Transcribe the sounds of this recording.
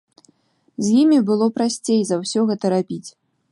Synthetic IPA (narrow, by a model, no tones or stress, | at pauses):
zʲjimʲibɨlˠɔpɾasʲt͡sʲejzawsʲɔɣɛt̪ɐɾabʲit͡sʲ